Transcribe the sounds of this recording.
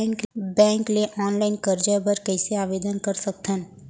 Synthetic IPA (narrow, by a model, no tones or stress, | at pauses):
kbɛ̃ːŋkleʔɔːnlaːɪnkəɾd͡ʒabəɾkɛɪseaːʋeːd̪ənkɐɾsək̚t̪ʰən